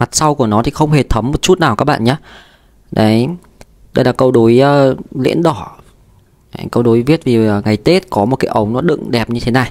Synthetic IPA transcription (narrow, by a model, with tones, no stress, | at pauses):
ma˨˩t̚sa˧wku˧˩ənɔ˨˦t̪ʰi˨˩xə˧wŋ͡mhe˨˩t̪ʰə˨˦mːo˨˩t̚t͡ɕu˦˥t̚naː˨˩wka˦˥k̚ɓa̰ː˧˨ɲaː˨˦ | ɗə˨˦j | ɗə˧jlaː˧˩kə˧wɗo˨˦jəː˨˧lḭ˧˥ənɗɔ˧˩ | ʔa̰˧jŋ̟kə˧wɗo˨˦jvi˦˥ət̚vi˨˩əː˨˩ŋa˨˩jt̪e˦˥t̚kɔ˨˦mo˨˩t̚kaː˨˦jʔə˨˦wŋ͡mnɔ˨˦ɗɨ̰˧˨ŋɗɛ˨˩p̚ɲɨ˧t̪ʰe˨˦na˨˩j